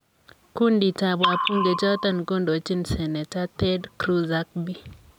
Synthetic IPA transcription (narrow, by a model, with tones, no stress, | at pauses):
ku˦ndi˨ta˨ba˨pu˦ŋɡe˨t͡ʃɔ˦t̪a˦˨nko˦ndo˨t͡ʃi˦nsɛ˨nɛ˨ta˦t̪ɛ˦dkɾu˦za˦k̚bi˦